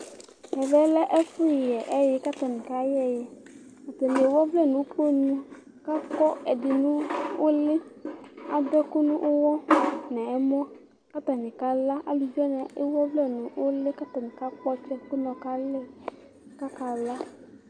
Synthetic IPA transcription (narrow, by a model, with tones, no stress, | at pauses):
ɛ˨vɛ˨˦lɛ˦ʔɛ˦fʊ˦jɪ˨jɛ˨ʔɛ˦jɪ˦ka˦t̪a˨nɪ̃˨ka˨˦jɛ˦jɛ˨ | a˨t̪ɛ˨ne˨wɔ˦vlɛ˦˨nʊ̃˨˦po˦ɲũ˦ | ka˦kɔ˦ɛ˨dɪ˨nʊ̃˦ʊ˦lɪ˦a˨dɔ˦kʊ˦nʊ̃˦ʔʊ˦wɔ˦nɛ̃˨ɛ˨mɔ̃˦ | ka˦t̪a˨nɪ̃˨ka˦la˦ʔa̰˦li˨d͡ʒɛ˦nɛ̃˨ʔɪ˦wɔ˦vlɛ˦˨nʊ̃˨ʊ˦lɪ˦ka˦t̪ɔ˨nɪ̃˨ka˦k͡pɔ˦t͡ʃɛ˦kʊ˦nɔ̃˨ka˦lɪ˦ | ka˦ka˨la˦